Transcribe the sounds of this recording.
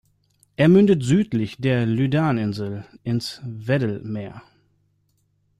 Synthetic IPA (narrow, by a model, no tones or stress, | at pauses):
ʔeːɐmʏndətz̥yːtlɪçd̥eːɐlydaːnɪnzl̩ʔɪnsvɛdl̩meːɐ